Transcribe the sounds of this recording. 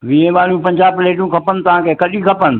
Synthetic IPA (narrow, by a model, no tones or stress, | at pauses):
ʋĩẽʋaːljũpɐ̃ɲd͡ʑaːbleːʈjũkʰɐpənt̪ɐʋ̤ãkʰeːkɐɗĩkʰɐpənɪ̆